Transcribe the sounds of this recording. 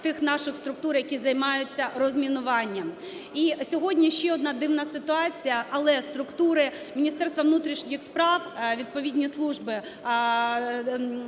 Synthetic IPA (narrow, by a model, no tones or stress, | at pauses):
t̪ɪxnɑʃɪxst̪ɾʊk̚t̪uɾjɐkʲizɐjmɑjʊt͡sʲːɐrɔzmʲinʊʋɑnʲːɐm | isʲɔɦɔdʲnʲiʃt͡ʃɛɔd̪nɑd̪ɪwnɐsɪt̪ʊɑt͡sʲijɐʔɐlˠɛst̪ɾʊkt̪uɾɪ | mʲinʲist̪ɛrst̪ʋɐʋnut̪ɾʲiʃnʲixspɾɑwʋʲid̪̚pɔʋʲidʲnʲislˠuʒbɪ